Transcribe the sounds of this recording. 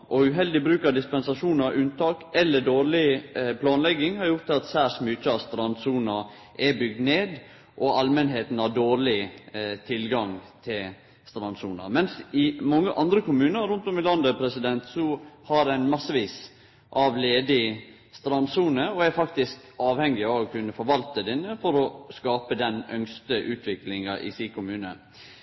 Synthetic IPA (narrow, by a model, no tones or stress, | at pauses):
ʔɔʉɦɛld̪ɪbɾʉːkɑd̪ɪspɛnsɑʂuːnɑɾʉnt̪ʰɑːkɛlːəɖoːɾɭɪpʰlɑːnlɛɡɪŋhɑɾjʊɾt̪ːɪlɑt̪sæːʂmʏt͡ʃːəɑst̪ɾɑnsuːnɑ | ʔɛbʏɡ̚d̪neːd̪ | ʔɔɑlmənɦeːt̪n̩ɑdoːɾɭɪt̪ʰɪlɡɑŋt̪ʰɪl | st̪ɾɑnsṵːnɑ̰mɛnsɪmɔŋːəʔɑnd̪ɾəkʊmʉːnəɾːʊnt̪ɔmɪlɑnd̪əpʰɾɛsɪd̪ɛnt̪sɔhɑɾæɪnmɑsːəʋiːs | ʔɑʋleːd̪ɪ | st̪ɾɑnsuːnəɔɛɾfɑkt̪ɪsk | ɑːʋhɛŋːɪɑʋɔkʰʉnːəfɔɾʋɑlt̪əd̪ɪnəfɔɾɔskɑːpəd̪ɛnœŋst̪əʔʉːt̪ʰʋɪklɪŋɑʔɪ̰siːkʰʊmʉːnə̰